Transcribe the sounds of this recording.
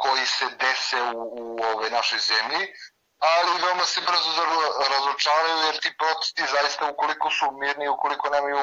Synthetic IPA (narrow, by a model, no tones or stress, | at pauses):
kɔisɛd̪ɛsɛuːɔvɔjnaʃojzɛmji | alivɛmasɛpɾsɾazɔt͡ʃaɾajudɛɾt̪ipɾɔt̪ɛ̥st̪izaist̪aukolikusumiɾniukolikɔnɛmi